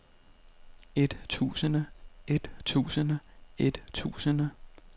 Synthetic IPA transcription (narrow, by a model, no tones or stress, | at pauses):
e̝d̥t͡sʰṵːsənəʔe̝d̥t͡sʰṵːsənəe̝d̥t͡sʰṵːsənə